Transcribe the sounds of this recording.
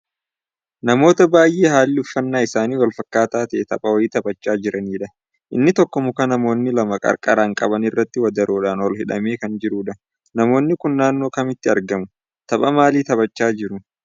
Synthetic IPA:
nɐmo̞ːt̪ɐbaːjʔeːɦaːlːɪʊfːɐnːaːɪsaːniːwɐlfɐkːaːt̪aːt̪ɛʔt̪ɐpʼɐwɐɪt̪ɐbɐt͡ʃːaːd͡ʒɪɾʔɐniːᶑɐ | ʔɪnːɪt̪ɔkːɔmʊkɐnɐmo̞ːnːɪlɐmɐkʼɐ̰ɾkʼɐ̰ɾaːŋkʼɐ̰bɐnɪrːɐt̪ːɪwɐd̪ɐɾʔoːᶑaːnwɔlhɪᶑɐmeːkɐnd͡ʒɪɾuːᶑɐ | nɐmo̞ːnːɪkʊnːaːnːoːkɐmɪt̪ːɪɐɾɡɐmʊ | t̪ɐpʼɐmaːliːt̪ɐbɐt͡ʃːaːd͡ʒɪɾʊ

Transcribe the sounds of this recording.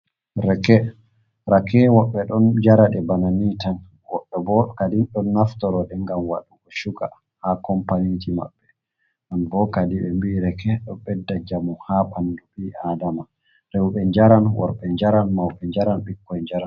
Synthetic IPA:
ɾɛkɛ | ɾakɛwɔɓːɛɗɔnd͡ʒaɾaɗɛbananitan | wɔɓːɛbɔkadinɗɔnːaftɔɾɔɗɛŋɡamwa̰ɗuɡɔʃuka̰ | hakɔmpanintima̰ɓːɛ | ʔambɔkadiɓɛmbiːɾɛkɛɗɔɓɛdːad͡ʒamuhaɓanduɓiadama | ɾɛwɓɛɲd͡ʒaɾanwɔ̰ɾɓɛɲd͡ʒaɾanmawɓɛɲd͡ʒaɾanɓikːɔjɲd͡ʒaɾan

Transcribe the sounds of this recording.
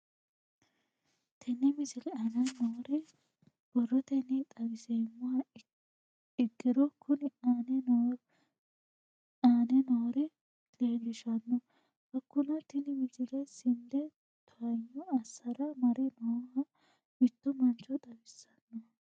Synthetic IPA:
t̪ʰɛnːɪmɪsɪlɛɐnɐnɔɾɛ | b̥ɔrːɔt̪ɛnɪt̪ʼɐɡɪsemːʊhɐ | ɪɡːɪd̪ɔkʰʊnɪnɛ | aːnɛnɔːɾɛ | leːlɪʃɐnːɔ | bɐkːʊnɐt̪ɪnɪmɪsɪlɛsɪnd̪ɛ | t̪ʰʊɐjːɔɐsɐɾɐmɐɾɪnɔhɐ | mɪt̪ːɔmɐnt͡ʃːɔd̪ɐbɪsːɐnːɔ

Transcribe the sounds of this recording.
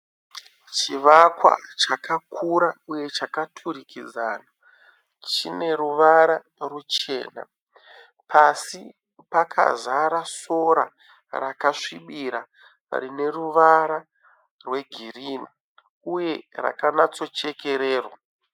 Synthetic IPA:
t͡ʃiʋakwa̰t͡ʃakakʰuɾauje̞t͡ʃakatʰuɾikid͡zaːna | t͡ʃine̞ɾuʋaɾa | rut͡ʃe̞ːna̰ | pʰasi | pakʰa̰zaɾaso̞ɾa̰ | rakaʂiɓiɾa | ra̰ɾine̞ruʋaɾa | rwe̞ɡʱiriːni | uje̞ra̰kanat͡so̞t͡ʃe̞ke̞ɾeːrwa

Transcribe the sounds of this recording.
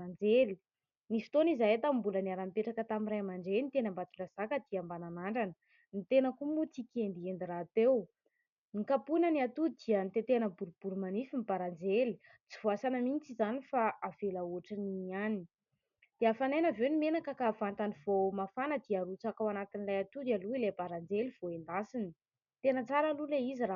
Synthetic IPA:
and͡zeli | nisi̥t̪onizaɦet̪ambuləniaɾampeʈ͡ʂakət̪aminɾajamaɳɖ͡ʐelnit̪enambat͡suɳɖ͡ʐazakəd̪̥iambananaɳɖ͡ʐanə | nit̪enəkumut͡sikʲend̪iend̪iɾat̪ew | nikapunəniat̪ud̪iənit̪et̪eanəbuɾub̥uɾumanifimibaɾand͡zeli | t͡sivoasanəmint͡sizanifaʔavelauʈ͡ʂaniani | d̪̥eafanajnavewnimenakəkavant̪anivomafanəd̪iaɾut͡sakawanat̪inilajat̪ud̪aluilebaɾand͡zeliv̥oend̪asini̥ | t̪enət͡saɾaluleizira

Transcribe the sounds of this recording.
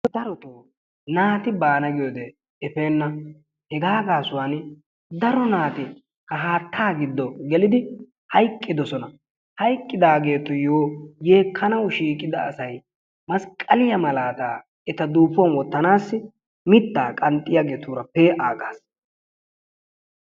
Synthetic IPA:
d̪ɐɾɔt̪oː | naːt̪ɪbaːnɐɡɪjod̪ɛ | ɛfeːnːɐ | hɛɡaːɡaːsʊwaːn | d̪ɐɾɔnaːt̪ɪ | kɐɦaːt̪ʰːaːɡɪd̪ːɔɡɛlɪd̪ɪ | hɐjkʼːɪd̪ɔsɔnɐ | hɐjkʼːɪd̪aːɡe̞ːt̪ːɔjoːje̞ːkʰːɐnɐwʃiːkʼːɪd̪ɐ̰ːsɐj | mɐskʼːɐlɪjɐmɐlaːt̪a̰ː | ɛt̪ɐd̪uːfɔnwɔt̪ːɐnaːsːɪ | mɪt̪ːaːkʼɐnt̪ʼɪjaɡet̪ʰuːɾɐpeːʔaːɡaːs

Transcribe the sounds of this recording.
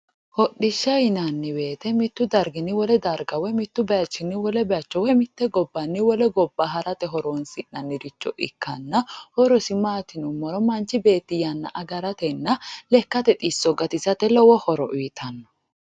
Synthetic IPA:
hɔɗɪʃːɐjɪnɐnːɪbe̞ːt̪ɛmɪt̪ːʊd̪ɐɾɡɪnɪwɔlɛd̪ɐɾɡɐwɛmɪt̪ːʊbɛjɐt͡ʃːɪnːɪwɔlɛbɛjɐt͡ʃːɔwɛmɪt̪ːɛɡɔbːɐnːɪwɔlɛɡɔbːaɦɐɾɐt̪ɛɦɔɾoːnsɪnːɐnːɪd̪ɪt͡ʃːɔ̰ʔɪ̰kːɐnːɐhɔɾɔsɪmaːt̪ɪnʊmːɔɾɔmɐnt͡ʃːɪbe̞ːt̪ːɪjɐnːɐ̰ʔɐɡɐɾɐt̪ɛnːɐlɛkːɐt̪ɛt̪ʼisːɔɡɐt̪ɪsɐt̪ɛlɔwɔhɔɾɔʔiːt̪ʰɐnːɔ̥

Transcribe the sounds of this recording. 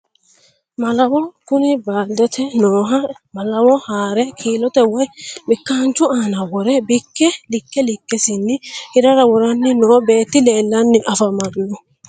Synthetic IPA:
mɐlɐwɔkʊnɪbaːd̪ɛt̪ʰɛnoːɦɐ | mɐlɐwɔhaːɾɛkʰiːlɔt̪ɛwɔjbɪkːaːnt͡ʃːʊaːnɐwɔɾɛbɪkːɛlɪkːɛlɪkːɛsɪnːɪhɪɾɐɾɐwɔɾɐnːɪnɔːbe̞ːt̪ːɪle̞ːlːɐnːɪʔɐfɐmanːɔ

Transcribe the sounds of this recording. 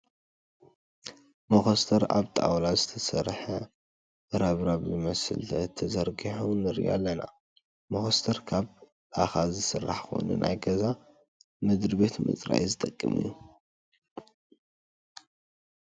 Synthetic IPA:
moxost̪ʰɐɾaβt̪ʼa̰wlazɨt̪ʰɐsɐɾħɐ | ɾaβɾaβzɨmɐsɨ̰lʰt̪ʰɐzɐɾɡiħunɨɾḭʔa̰lːɐna̰ | moxost̪ʰɐɾkʰaβ | axazɨsɨrːaħkʰo̰nṵnʔa̰jɡɐza | mɨd̪ɾbe̞t̪mɨ̰t͡sʼɾa̰ʔizɨt̪ʼɐkʼːɨmɨ̰jːu

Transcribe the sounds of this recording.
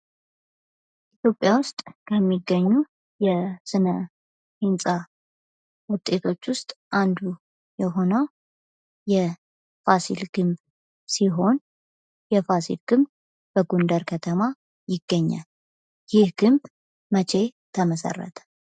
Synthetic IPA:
ʔit̪ʰjo̞pʼːjawʊst̪ʼkʰəmːiɡːəɲːu | jɛsɨnə | hɨnsʼa | wʊt̪ʼːe̞t̪ʰo̞t͡ʃːwʊst̪ʼʔand̪u | jɛɦo̞nəw | jɛ | fasḭlɡɨmb | siɦo̞n | jɛfasḭlɡɨmb | bəɡund̪əɾkʰət̪ʰəma | jɪɡːəɲːa̰l | jɪhɡɨmb | mət͡ʃʰe̞t̪ʰəməsə̰rːə̰t̪ʰə̥

